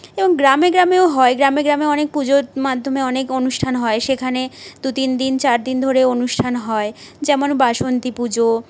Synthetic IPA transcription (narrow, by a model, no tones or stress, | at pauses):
eboŋɡɾameɡɾameoɦɔeɡɾameɡɾameɔnek̚pud͡ʑoɾmad̪ʱːomeɔnekonuʃʈʰanɦɔeʃekʰaned̪ut̪ind̪int͡ɕaɾd̪ind̪ʱoɾeonuʃʈʰanɦɔed͡ʑɛmonbaʃont̪ipud͡ʑo